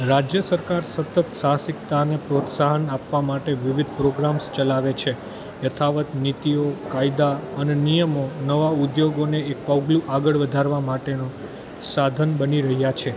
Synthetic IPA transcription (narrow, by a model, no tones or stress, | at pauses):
ɾad͡ʒjəsəɾkaɾsət̪ət̪sasikt̪anepɾot̪saɦənapʋamaʈeʋiʋid̪̚ʱpɾoɡɾamst͡ʃəlaʋet͡ʃʰe | jət̪ʰaʋət̪nit̪iokaid̪aənenijəmonəʋaud̪joɡoneek̚pəwɡlũʔaɡəɭʋəd̪ʱaɾʋamaʈeno | sad̪ʱənbəniɾəɦjat͡ʃʰe